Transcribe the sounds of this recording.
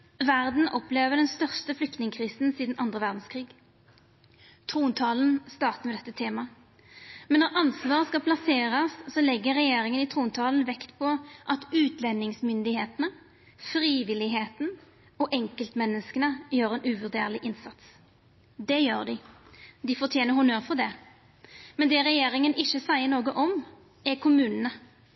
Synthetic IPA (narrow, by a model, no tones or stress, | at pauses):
ʋæʁd̪n̩ʔɔpleːʋəʁd̪ɛnst̪œʁst̪əflʏk̚t̪nɪŋəkʰʁiːsn̩siːd̪n̩ɑnd̪ʁəʋæʁd̪n̩skʰʁiːɡ | t̪ʰʁuːnt̪ʰɑːln̩st̪ɑːʁt̪əmɛːd̪ɛt̪ːət̪ʰeːmɑ | mɛnːɔʁʔɑnsʋɑːʁəskɑpʰlɑseːʁəssɔlɛɡːəʁɛjeːʁɪŋənɪt̪ʰʁuːnt̪ʰɑːln̩ʋɛkt̪pʰɔʔɑt̪ʉːt̪lɛnːɪŋsmʏnd̪ɪheːt̪ənə | fɾiːʋɪlɪɦeːt̪n̩ | ɔʔɛŋkəlt̪mɛnːəskənəjøːʁɛːnʔʉʋʉʁd̪ḛːʁlɪʔɪnsɑt̪s | d̪ɛjøːʁd̪ɪd̪ɪfɔʁt̪ʰjeːnəhʊnøːʁfɔd̪ɛ | mɛnd̪ɛʁɛjeːɾɪŋənɪʃəsæɪənoːɡəʔɔm | ɛkʰʊmʉːnənə